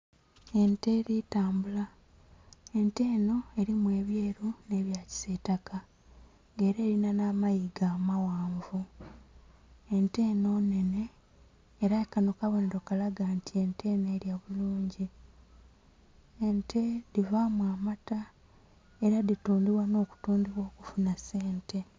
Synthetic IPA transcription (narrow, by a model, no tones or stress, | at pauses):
e̞nte̞ɾitaːmbula | e̞nte̞ːno̞e̞ɾimwe̞ːβje̞ːɾune̞ːβjaːci̥seːtaka | ŋɡe̞ːɾe̞ːɾinanaːmajiɡaːmawaːɱvu | e̞nte̞ːno̞ːne̞ne̞ː | ɾaekano̞kaβo̞neɾo̞kalaɡantie̞ntʰe̞ːneːɾjaβuluːɲɟi | ntʰe̞ðivamwaːmata | eɾaðituːndiβwano̞ːku̥tuːndiβwo̞ːkufunase̞ːntʰe̞